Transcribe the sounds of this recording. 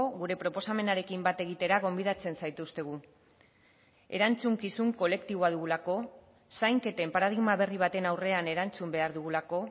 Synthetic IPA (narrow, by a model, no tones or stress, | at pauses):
oɣuɾe̞pɾo̞po̞same̞naɾe̞kimbat̪e̞ɣ̞it̪e̞ɾaɣ̞o̞mbiðat͡se̞nsajt̪ust̪e̞ɣ̞u | e̞̰ɾant͡suŋkisuŋko̞le̞kt̪iβo̞að̞uɣulako̞ | sajŋke̞t̪e̞mpaɾað̞iɣmaβe̞riβ̞at̪e̞nawre̞ane̞ɾant͡sumbe̞aɾðuɣulako̞